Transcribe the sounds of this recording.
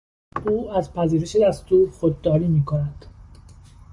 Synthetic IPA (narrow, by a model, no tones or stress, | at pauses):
uːæzpʰæziːɾe̞ʃe̞d̪æst̪uːɾxod̪ːɒːɾiːmiːkʰonæd̪̥